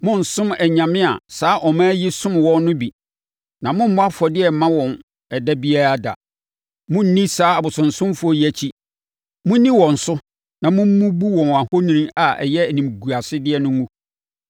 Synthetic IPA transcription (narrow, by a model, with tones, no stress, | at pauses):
mʊ̃˦n̩˨sʊ̃˦mɛ˨ɲã˨mɪ̃˦a̰˨saː˦ʔɔ˨mãː˦jɪ˦sʊ̃˦m˨wɔ̃˦nnʊ̃˦bi˨ | nã˨mʊ̃˦m̩˦mʊ̃˦a˦fɔ˨dɪ˦ɛ˨m˨mã˦wɔ̃˨n | ɛ˨da˦bi˦a˦ɾa˦da̰˨ | mʊ̃˦n̩˦nĩ˦saː˦a˨bʊ˨sʊ̃˨n̩˨sʊ̃˦mfʊ˦ɔ˦ji˦æ˨t͡ɕʰi˦ | mʊ̃˦nĩ˦wɔ̃˨n̩˨sʊ˦ | nã˨mʊ̃˦m̩˦mũ˦bu˦wɔ̃˨n˨a˨ho˦nĩ˦nĩ˦a˨ɛ̰˨jɛ˦æ˨nĩ˨mɡu˨a˨sɪ˦dɪ˦ɛ˦nʊ̃˦ŋũ˦